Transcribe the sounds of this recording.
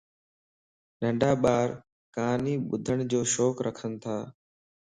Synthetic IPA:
ɗə̃ɳɖaːɓaːɾ | kaːniːɓʊd̪ʱəɽ̃d͡ʑoːʃoːkɾʔəkʰənɪt̪ʰaː

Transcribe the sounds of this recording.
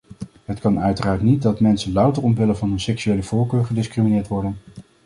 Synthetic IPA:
ɦətkɑnœɥtəraːɹtnit̚dɑtmɛnsənlɑwtərɔmʋɪlənvɑnɦɵnsɛksyejləv̥ʊːɹkøːɹχədɪskriminɪːɹtʋɔɹdən

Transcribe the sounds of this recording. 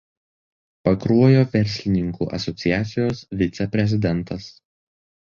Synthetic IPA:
pɐkɾuɔjoːʋʲɛɾʲsʲlʲɪnʲɪŋkṵːʔɐ̰sɔt̪sʲɪjæːt̪sʲɪjoːsʋʲɪt̪sʲɛpʲɾʲɛzʲɪd̪ʲɛnˑt̪ɐs

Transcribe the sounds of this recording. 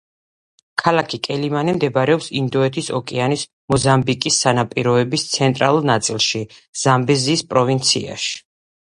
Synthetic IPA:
kʰalakʰikʼɛlimanimd̪ɛbɾɛɔpsind̪ɔɛt̪ʰisɔ̰kʼɛanis | mɔzambikʼisːanapʼiɾɔɛbist̪sʰɛnt̪ʼɾalˠuɾnat̪sʼilˠʃiz̥ambɛziːspʼɾɔvint̪sʰḭa̰ʃi̥

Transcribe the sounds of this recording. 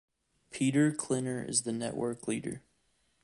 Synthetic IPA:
pʰiɾə˞kʰl̥ɪ̃nə˞ɪ̰zðɨnɛ̰ʔwɜ˞kliɾə̰˞

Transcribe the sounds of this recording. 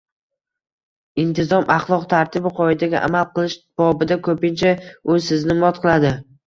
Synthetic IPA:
ɪnt̪ʰɪzɒmʔɑχlˠɒqt̪ʰaɾt̪ʰɪbɪqʰɒɪd̪aɡʲa̰ʔa̰malˠqɨlˠɪʃb̥ɒbɪd̪akʰɵpɪnt͡ʃʰaʊsɪznɪmɒt̪qʰɨlˠad̪ɪ

